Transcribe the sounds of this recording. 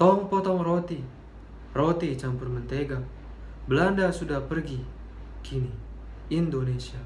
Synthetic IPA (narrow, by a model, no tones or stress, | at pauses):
t̪ɔŋpɔt̪ɔŋrot̪i | rot̪it͡ʃampurmənt̪eɡa | bəlandasudahpərɡi | kʰini | indonesia